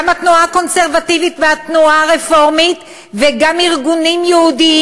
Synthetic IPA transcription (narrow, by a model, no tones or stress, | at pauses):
amhat̪nuako̞nseʁvativitveat̪nuaʁefo̞ʁmit | veɡamiʁɡunimjeudi